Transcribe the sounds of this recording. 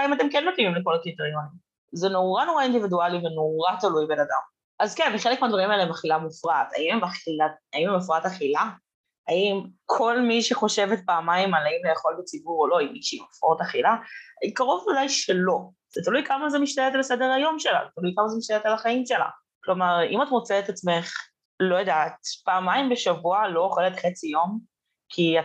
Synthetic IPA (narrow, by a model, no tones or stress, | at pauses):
imat̪̬emkenmetujimleko̞lakit̪aʁijonim | zeno̞ʁano̞ʁaind̪ividualiveno̞ʁat̪alujbe̞nad̪a̰m | ʔazkenbeχelekmead̪vaʁimaeleemaχilamufʁat̪a̰imemaχilaaimemafʁataχila | aimkʰo̞lmiʃeχo̞ʃe̞vet̚baːmaimalaimlejaχo̞lbet͡sibuʁo̞lo̞imiʃeimafot̪aχilakaʁo̞vvadajʃelo̞ | z̥et̪alujkamazemiʃt̪alet̪alasede̞ʁhajo̞mʃela̰zt̪alujkamazemiʃt̪alet̪alaχaimʃe̞la̰ | klo̞maʁḭmatmot͡seːt̪at͡sme̞χ | lo̞jadat̪paːmaimbeʃavualo̞jeχelet̪χet͡sijo̞m | kʰia